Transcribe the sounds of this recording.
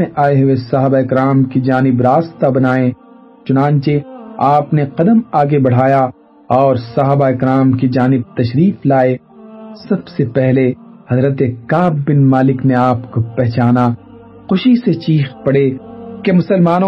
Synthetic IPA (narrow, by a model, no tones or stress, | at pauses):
ẽʔaːeɦʊwesɐɦaːbaɪkɾaːmkid͡ʒaːnɪbɾaːst̪abɐnaːẽ | t͡ʃʊnãːnt͡ʃeaːpneqɐd̪əmaːɡebɐɽ̤aːja | ɔːɾsɐɦaːbaɪkɾaːmkid͡ʒaːnɪb̚t̪ɐʃɾiːflaːe | sɐbsepɛɦlehɐzɾət̪ekaːbːɪnmaːlɪkneaːpkopɛɦt͡ʃaːna | xʊʃiset͡ʃiːxpɐɽekemʊsəlmaːnõ